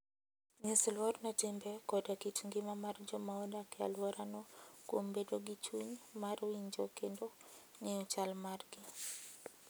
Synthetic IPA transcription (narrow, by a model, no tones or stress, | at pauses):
ɲislwɔɾnɔtimbɛkɔdakitŋɡimamard͡ʒɔmaɔdakɛa̰lwɔɾanɔkwombedoɡit͡ʃuɲmaɾwiɲd͡ʒɔkendɔɲɛut͡ʃalmarɡi